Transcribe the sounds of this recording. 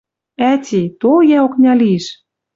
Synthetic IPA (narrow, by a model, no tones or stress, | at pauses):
æt̪ʲit̪oljæoknʲɑliʃ